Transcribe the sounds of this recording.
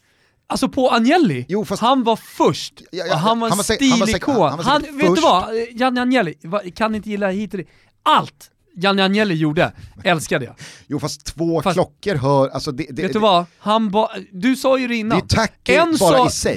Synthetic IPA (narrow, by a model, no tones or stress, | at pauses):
alsɔpʰɔanjɛlːɪjuːfahanvaɾfɵʂʈɔɦanvaɾɛst̪iːlɪkʰoːhanvet̪ːvajanːanjɛlːɪvakʰanɪɪnt̪əjɪlːadɛhɦiːt̪ɔd̪ɛ | alt̪ | janːɪanjɛlːɪjuːɖəɛlskad̪əja̰juːfast̪ʰːvoːfalɔkːəɾɦœːɾalsɔd̪ɛd̪veɛəvahanvad̪ɵsɑːjɵɾɛɪnːant̪ʰaɛnsːɾɔːɪsɛj